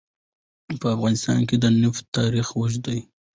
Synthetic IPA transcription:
pəafɣɑnɪst̪ɑ̰nked̪ənʊft̪ɑɾixwəʒd̪aj

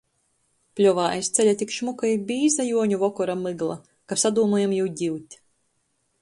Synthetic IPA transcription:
plʲɔvaːʔajst̪sɛlʲat̪ʲikʃmukajbiːzajuɔɲuvɔkɔɾamɨɡlˠa̰ | kapsad̪uːmɔjamjɛwɟʲiwt̪ʲ

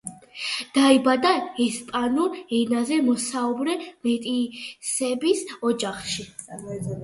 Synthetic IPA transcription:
d̪̥aibad̪aɛspʼanuɛnazɛmɔsaubɾɛmɛt̪ʼisɛbisɔd͡ʒaχʃi

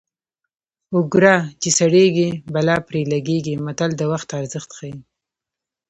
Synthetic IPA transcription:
ʊɡɾat͡ʃesaɽeɡibalɑpɾelaɡeɡimat̪ald̪əwaxt̪aɾzəxt̪xaji

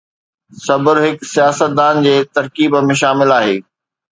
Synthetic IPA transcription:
sɐbəɾɦɪksijaːsət̪̚d̪aːnd͡ʑeːt̪ɐɾkiːbmẽʃaːmɪlaːɦeː

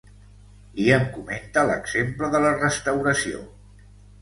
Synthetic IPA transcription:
iəŋkument̪ələɡz̥empləðələrəst̪əwɾəsio̰

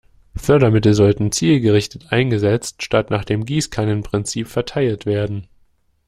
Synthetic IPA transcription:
fœɐɾɐmɪtl̩zɔltn̩t͡siːlɡəʁɪçtətʔaɪnɡəzɛt͡stʃtatnaːχd̥eːmɡiːskʰanənpʁ̥ɪnt͡siːpfɛɐtʰaɪltv̥eːɐdn̩

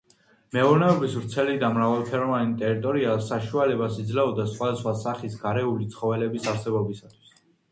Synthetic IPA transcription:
mɛɔɾnɛɔbisvɾt̪sʰɛlid̪amɾavalˠpʰɛɾɔvanit̪ʼɛɾit̪ʼɔɾiasaʃualɛbasid̪zlɛɔd̪asχwad̪asχwasaχisɡaɾɛulit̪sʰχɔvɛlɛbisaɾsɛbɔbisat̪ʰwi̥s

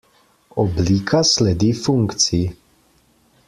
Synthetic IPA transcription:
ʔɔblikʰaslɛd̪iːfuŋkt͡si

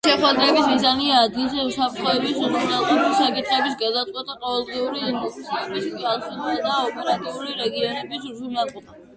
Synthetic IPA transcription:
ʃɛχwad̪ɾɛbismizaniaːd̪ɡilˠzɛusapʰɾt̪ʰχɔɛbiszuɾnalˠχɔbisakʼit̪ʰʼχɛbisɡad̪at̪sʼwɛt̪ʰʼaqʼɔvɛlˠd̪ʁiuɾiɔkt̪sʰiɛbisalˠχɛlad̪aɔpʼɛɾat̪ʼiuliɾɛɡiɔnɛbiszunalˠqɔba

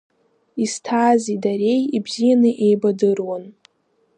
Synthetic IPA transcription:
istʰaːzidaɾe̞jibzijanɨʔe̞jbadɨrwan

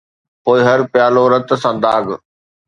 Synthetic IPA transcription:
poːɪɦɐɾpjaːloɾɐt̪sãːd̪aːɡ

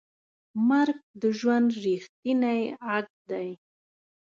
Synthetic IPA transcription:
maɾɡ̚d̪əʒwand̪ɾixt̪inajaɡ̚d̪aj

